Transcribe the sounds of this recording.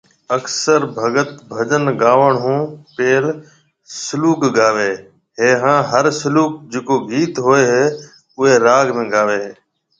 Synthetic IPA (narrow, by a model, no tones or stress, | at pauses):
əksəɾbʱəɡət̪bʱəd͡ʒənɡaːʋəɳɦũːpeːl | sʊluːkɡaːʋeː | ɦeːɦãːɦəɾsʊluːk̚d͡ʒeːkoːɡiːt̪ɦoːeːɦeː | ʊɦeːɾaːɡmẽːɡaːʋeː